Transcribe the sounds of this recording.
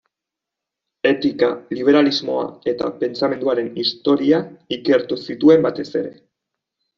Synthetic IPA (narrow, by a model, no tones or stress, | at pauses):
e̞t̪ikaliβ̞e̞ɾalizmo̞a̰e̞t̪a̰pe̞nt͡same̞nd̪uaɾe̞nist̪o̞ɾiaike̞ɾt̪usit̪ue̞mbat̪e̞se̞ɾe̞̰